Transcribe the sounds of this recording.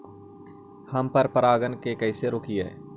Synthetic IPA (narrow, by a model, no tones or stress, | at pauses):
hɐmpəɾpəɾaːɡənkekɐɪseɾoːkiɦɛ̰ː